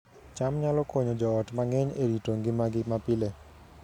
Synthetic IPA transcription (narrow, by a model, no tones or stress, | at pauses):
t͡ʃamɲalɔkɔɲɔd͡ʒɔɔtmaŋɛɲeɾitoŋɡɪmaɡɪmapɪle